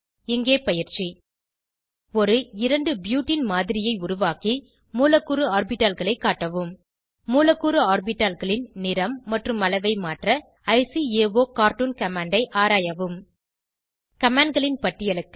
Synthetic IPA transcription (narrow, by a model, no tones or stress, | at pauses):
ɪŋɡeːpɐjɪɾt͡ʃi | ɔɾɯɪɾɐɳɖɯbjuːʈːɪnmaːðɪɾɪjɐɪʊɾʊʋaːki | muːlɐkːuɾɯaːrbɪʈːalɣɐɭɐɪkːaːʈːɐʋɯmː | uːlɐkːuːɾɯaːɾbɪʈːaːlɣɐɭɪnnɪɾɐmːɐʈrɯmɐlɐɪʋɐɪmaːʈrɐ | ɐɪsieːʋoːkaːɾʈunkɐmaːɳɖɐɪʔaːɾaːjɐʋɯm | kɐmaːɳɖɡɐɭɪnpɐʈːɪjɐɭɯkː